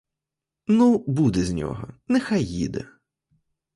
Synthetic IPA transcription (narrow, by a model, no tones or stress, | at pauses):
nubud̪ɛzʲnʲɔ̰ɦɔ̰nɛxajːḭd̪ɛ̰